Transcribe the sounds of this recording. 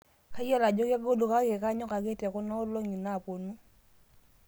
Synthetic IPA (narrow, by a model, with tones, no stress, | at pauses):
ka˦jɛ˦˨la˨d͡ʒɔ˦kja˦ɡo˦do˨ka˦ke˨ka˦ɲɔ˦ka˨ke˦tɛ˨kɔ˦nɔ˦lo˦ŋi˨na˦˨po˨nu˦